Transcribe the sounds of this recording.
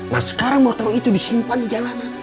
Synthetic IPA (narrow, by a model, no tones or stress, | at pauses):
ŋa̰sə̥kaɾaŋmɔt̪ɔɾit̪udisimpandid͡ʒalana